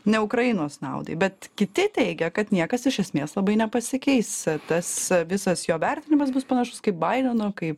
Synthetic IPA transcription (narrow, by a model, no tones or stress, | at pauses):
nʲɛʊkɾɐjɪnoːsnɐ̰ʊd̪ɐ̰ɪbʲɛt̪kʲɪt̪ʲɪt̪ʲɛɪɡʲɛkɐt̪nʲiɛkɐsɪʃʲɛsʲmʲeːslˠɐbɐɪnʲɛpɐsʲɪkʲɛɪst̪ɐsʋʲɪsɐsjoːʋʲɛrʲt̪ʲɪnʲɪmɐs̬bʊspɐnɐʃʊskɐɪp̚bɐɪd̪ʲonoːkɐɪp